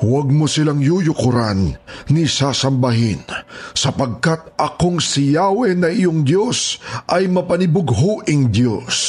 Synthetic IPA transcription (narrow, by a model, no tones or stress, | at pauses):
wɐɡ̚mosɪlaŋjujʊkʊɾanːisasɐmbɐɦinsɐpɐɡ̚kat̪̚ɐkoŋsɪjaːwɛnɐɪjoŋd̪jo̞sʔɐjmɐpɐnɪbʊɡɦuʔɪŋd̪jo̰s